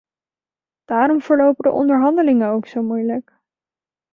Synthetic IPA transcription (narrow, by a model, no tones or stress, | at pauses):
d̥aːɾɔmvʊːɹlowpədə̰ʔɔ̰ndəɹɦɑndəlɪŋənowksowmujlək